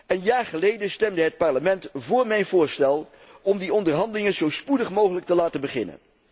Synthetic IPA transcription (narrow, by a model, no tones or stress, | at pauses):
ənjaːɹχəlejdənstɛmdəɦət̚pɑɹləmɛntvʊːɹmɛjnvʊːɹstɛlˠ | ɔmdiɔndəɹɦɑndəlɪŋənzowspudəχmowχələk̚təlaːtənbəχɪnə̰n